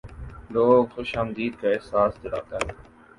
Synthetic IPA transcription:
loːɡxoʃaːmd̪iːd̪̚kaɪsaːst̪ɪɽa̰ːt̪aː

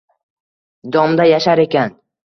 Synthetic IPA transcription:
d̪ɒmd̪ajaʃaɾe̞kʲan

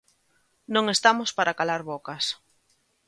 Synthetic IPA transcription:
nõŋest̪amospaɾakalaɾβokas

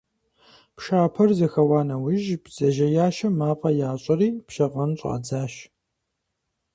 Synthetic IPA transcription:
pʃaːpʰɐrzɐxɐwaːnɐwʊʒbz̥ɐʒɐjaːʃɐmaːpʼɐjaːɕʼɐriːpʃɐqʼɐnɕʼa̰ːd͡zaːɕ

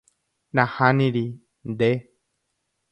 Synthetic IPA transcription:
nãhanĩɾi | nd̪e

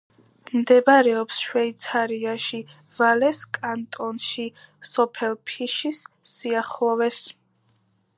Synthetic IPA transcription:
md̪ɛbɾɛɔpsʃwɛit̪sʰaɾiaʃi | valɛskʼant̪ʼɔnʃisɔpʰɛlˠpʰiʃis | siaχlˠɔvɛs

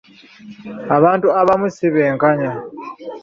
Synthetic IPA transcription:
aβaːntuaβamusiβeːŋkaɲa

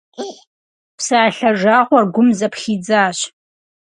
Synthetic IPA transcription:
pʰsaːɬɐʐaːʁʷarɡʷʊmzɐpʰχʲiːd͡zaːɕ

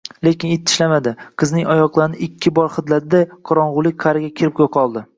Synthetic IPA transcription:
le̞kʲɪnet̪ʰːɪ̥ʃlamad̪ɪqʰɨznɪŋɒjɒqlˠaɾɪnɪʔɪkʲʰːɪbɒɾχɨd̪lad̪ɪd̪aqʰɒɾɒɴʁʊlˠɪk̚ʲqʰaɾɪɡʲakʲʰɪɾɪp̚kʰʲoqʰɒlˠd̪ɪ

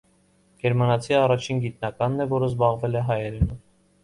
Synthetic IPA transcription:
ɡ̥ɛɾmɑnɑt͡sʰiɑrɑt͡ʃʰinɡit̪nɑkɑnːɛvɔɾəzbɑʁvɛlɛɦɑjɛɾɛnu

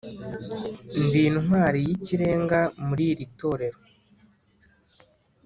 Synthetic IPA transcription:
ndiːnnwaːɾijiciɾe̞ːŋɡamuɾiːɾito̞ːɾe̞ɾo

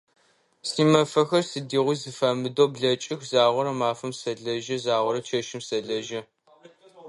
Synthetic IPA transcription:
siːmɐfɐxɐrsɨdiːʁʷʊzɨfɐmɨdoːbɮɐt͡ʃʼɪxzaːʁʷɔɾɐmaːfɐmsɐɮɐʒɐzaːʁʷɔɾɐt͡ʃʰɐʃɪmsɐɮɐʒɐ

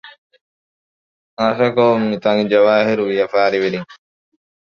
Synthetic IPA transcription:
asɐkomːit̪ɐŋid͡ʒɐʋaːɦiɾuʋijɐfaːɾiʋiɾiŋ

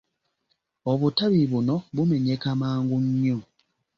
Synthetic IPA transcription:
oβutaβiβuno̞βume̞ɲe̞kamaːŋɡuɲːo

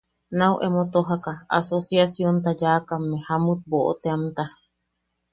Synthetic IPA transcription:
nãwʔemot̪oɦakaa̰sosjasjont̪̬ad͡ʒakamːẽhamut̪̚boʔo̰t̪eamt̪a

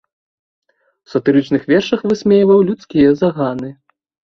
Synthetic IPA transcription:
wsɐt̪ɨɾɨt͡ʂnɨxvʲɛrʂɐxvɨsʲmʲejvɐwlʲut̪skʲijɐzaɣanɨ

